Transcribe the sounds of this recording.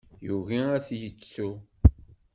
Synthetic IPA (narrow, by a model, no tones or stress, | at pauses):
juviæθjət͡sːu